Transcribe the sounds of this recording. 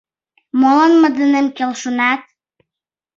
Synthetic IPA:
molənmə̆d̪ənemkelʃunɑt̪̚

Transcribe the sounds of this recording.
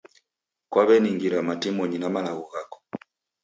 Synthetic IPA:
kwaβɛniŋɡiɾamatimɔɲinamalaɣɔɣakɔ̥

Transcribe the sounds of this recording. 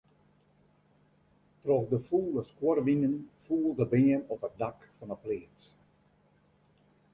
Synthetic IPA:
trɔxdəfuːləskworʋinənfuːlˠdəbɪənɔpət̚dakfɔnəplɪːt͡s

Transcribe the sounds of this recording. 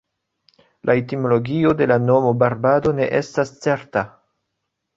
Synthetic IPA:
lʔaetimo̞lo̞ɡio̞de̞lano̞mo̞baɾbado̞ne̞̰ʔe̞stast͡se̞ɾta

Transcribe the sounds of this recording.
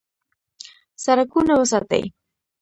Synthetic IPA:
saɾakʊnawasat̪a̰j

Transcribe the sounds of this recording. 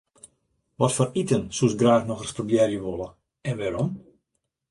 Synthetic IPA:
ʋɔtfɔritənsusɡraːxnɔxərsprobjɛrjəʋolˠə | ɛnʋaɾɔm

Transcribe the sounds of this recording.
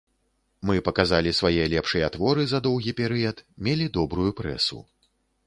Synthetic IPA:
mɨpɐkazalʲisvajɛlʲɛpʂɨjɛat̪vɔɾɨzɐd̪ɔwɣʲipʲɛɾɨjɐt̪mʲɛlʲid̪ɔbɾujupɾɛ̰sṵ

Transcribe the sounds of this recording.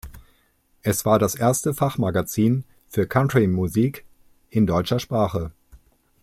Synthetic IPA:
ʔɛsv̥aːɐdasʔeːɐstəfaχmaɡat͡siːn | fyːɐkʰantʁimuziːk | ʔɪndɔʏt͡ʃɐʃpʁ̥aːχə

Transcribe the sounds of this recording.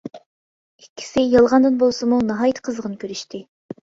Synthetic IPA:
ikʲʰːi̥sɪjɑlˠʁɑnd̪ɨnbolˠsɨmunɑɦɑːjt̪ʰqʰəzʁənkʲʰøɾyʃt̪ʰɪ

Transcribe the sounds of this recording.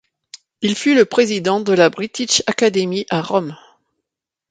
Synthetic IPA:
ilfyləpχezid̪ɑ̃d̪əlabʁit̪iʃakad̪emiʔaʁɔm

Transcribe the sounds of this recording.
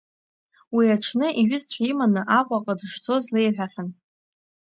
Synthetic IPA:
wiaʈ͡ʂʰnɨʔiɥɪzt͡ɕʷʰᶣaimanɨʔaqʷʼaqʼadɨʂt͡sʰʼo̞zlejħʷᶣaχʲan

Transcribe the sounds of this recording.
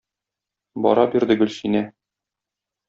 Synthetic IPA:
bɒ̰ɾɑbiɾd̪ɘɡɵ̆lʲsinæ

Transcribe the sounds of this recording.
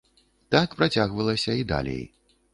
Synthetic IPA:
t̪akpɾat͡sʲaɣvɐlˠɐsʲɐid̪a̰lʲḛj

